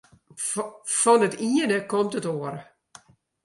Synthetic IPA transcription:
fɔnətiənəkɔmtətoər

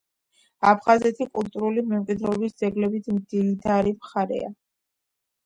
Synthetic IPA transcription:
apʰχazɛt̪ʰikʼulˠt̪ʼuɾulimɛmkʼwid̪ɾɛɔbisd̪zɛɡlɛbit̪ʰmd̪iid̪aɾimχaɾɛ̰a̰

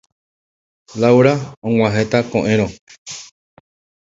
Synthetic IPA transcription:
lawɾaõŋ̃ʷãɦe̞t̪akõʔẽ̞ɾ̃õ

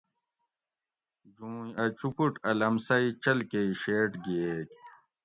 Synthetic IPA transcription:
d͡ʑũːjɐt͡ɕupuʈɐlɐmsɐit͡ɕɐlkeiɕeːʈɡeːk

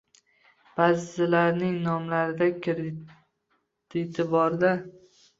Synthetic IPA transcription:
b̥azɪlaɾnɪŋnɒmlaɾɪd̪akʰʲɪɾ | d̪̥ɪt̪ʰɪbɒɾd̪a

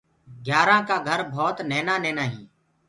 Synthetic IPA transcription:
ɡjaːɾãːkaːɡʱəɾbʱɔːt̪neːnaːneːnaːɦĩː

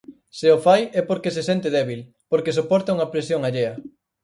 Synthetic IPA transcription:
seofajɛpoɾkesesent̪eðɛβil | poɾkes̬opɔɾt̪ɐuŋɐpɾesjoŋaʎeɐ

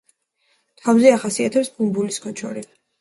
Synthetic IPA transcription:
t̪ʰavzɛaχasiat̪ʰɛpsbumbuliskʰɔt͡ʃʰɔ̰ɾi

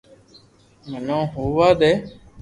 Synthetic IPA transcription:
mənõːɦuːʋaːd̪eː

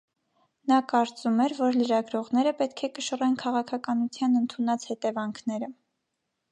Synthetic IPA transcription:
nɑkɑɾt͡sumɛɾvɔɾləɾɑɡɾɔʁnɛɾəpɛt̪̚kʰɛkəʃərɛnkʰɑʁɑkʰɑkɑnut͡sʰjɑnənt̪ʰunɑt͡shɛt̪ɛvɑŋkʰnɛɾə

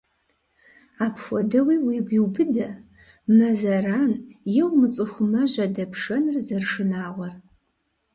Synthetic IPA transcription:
aːpxʷɔdɐwiːwiːɡʷiwbɨdɐ | mɐzɐraːnjɛwmɨt͡sʼɨxʷʊmɐʒɐdɐpʰʂɐnrzɐrʂɨnaːʁʷɔr

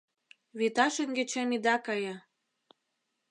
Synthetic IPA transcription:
βit̪ɑʃenɡĕt͡ɕemid̪ɑkɑjɑ

